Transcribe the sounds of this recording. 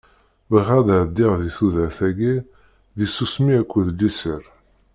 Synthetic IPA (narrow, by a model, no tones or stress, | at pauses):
vəʁæðəʕd̪ːiʁðiθuðæɾθæɡi | ðisusmiækʷːəðlːisəɾ